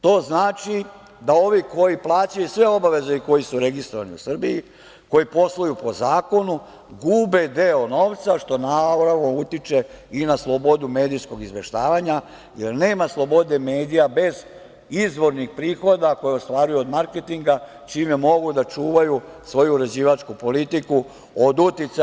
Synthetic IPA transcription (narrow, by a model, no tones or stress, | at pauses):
t̪o̞ːznaːt͡ʃi | d̪ao̞ʋiko̞jiplˠaːt͡ɕajusʋe̞o̞baʋe̞ze̞iko̞jisuɾe̞ɡist̪ɾoʋanḭṵsr̩biji | ko̞jipo̞slˠajupo̞zaːko̞nu | ɡuːbe̞d̪e̞ono̞ːʋt̪saʃt̪o̞naɾaʋnout̪it͡ʃe̞ | inaslˠo̞bo̞d̪ume̞ːd̪ijsko̞ɡizʋe̞ʃt̪aːʋaɲa | je̞ɾne̞ːmaslˠo̞bo̞d̪e̞me̞ːd̪ijabe̞z | izʋo̞ɾnixpɾiːxo̞d̪ako̞jeost̪ʋaːɾujuod̪maɾket̪iŋɡa | t͡ʃiːmemo̞ɡud̪at͡ʃuːʋaju | sʋo̞juuɾed͡ʑiːʋat͡ʃkupo̞lit̪iku | od̪ut̪it̪sa